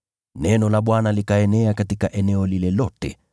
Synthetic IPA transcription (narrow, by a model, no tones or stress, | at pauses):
nɛnɔlaɓwanalikaɛnɛakatikaʔɛnɛɔlilɛlɔtɛ̰